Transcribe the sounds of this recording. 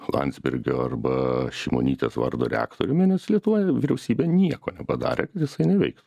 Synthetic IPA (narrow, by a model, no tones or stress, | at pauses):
lˠɐ̰nd̪ʲzʲbʲɪɾʲɡʲoːɐrbɐʃʲɛɪmo̰nʲiːt̪ʲesʋɐ̰rd̪o̰ːɾʲɛ̰ɑ̰ːkt̪oːɾʲʊmʲɪnʲɛslʲiɛt̪ʊʋoːjʋʲiɾʲɛʊsʲiːbʲeːnʲiɛkoːnʲɛpɐd̪ɑ̰ːɾʲḛːkɐt̪jɪsɐɪnʲɛʋʲɛɪkt̪ʊ